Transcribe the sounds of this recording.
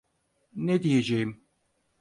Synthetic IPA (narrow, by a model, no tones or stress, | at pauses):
ned̪ijed͡ʒejim